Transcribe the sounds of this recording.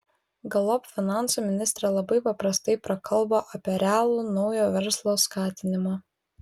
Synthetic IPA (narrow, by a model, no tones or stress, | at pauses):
ɡɐlˠɔpʲfʲɪnɑˑnˑsuːmʲɪnʲɪst̪ɾʲɛlˠɐbɐɪpɐpɾɐst̪ɐɪpɾɐkɐlˠˑboːʔɐpʲiɛɾʲæːlˠuːnɒʊjoːʋʲɛɾslˠoːskɑːt̪ʲɪnʲɪmɑː